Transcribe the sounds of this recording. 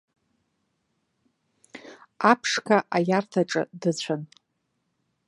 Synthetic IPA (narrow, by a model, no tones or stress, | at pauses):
apʰʂkʰaʔajartʰaʈ͡ʂʼɨ̰dɨt͡ɕʷʰan